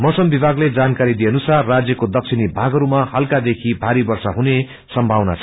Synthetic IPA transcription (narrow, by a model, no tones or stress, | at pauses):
mʌsʌmbibʱaɡled͡zankaɾid̪ijenusarːad͡zjʌkod̪ʌk̚t͡sʰinibʱaɡʌɾumahʌlkad̪ekʰibʱaɾibʌrsaɦune | sʌmbʱawna̰t͡sʰ